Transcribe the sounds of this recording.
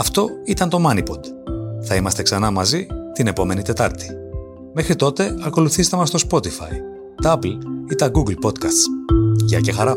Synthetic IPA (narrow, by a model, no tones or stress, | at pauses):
ɐft̪o̞it̪ɐnt̪o̞mɐnipo̞d̪ | θɐimɐst̪e̞ksɐnɐmɐzit̪ine̞po̞me̞nit̪e̞t̪ɐɾt̪i̥ | me̞xɾit̪o̞t̪e̞ɐko̞luθist̪e̞mɐst̪o̞spo̞t̪ifɐ̰i | t̪ɐɐplit̪ɐɡuɡlpo̞t̪kɐst̪sʝɐcexɐɾɐ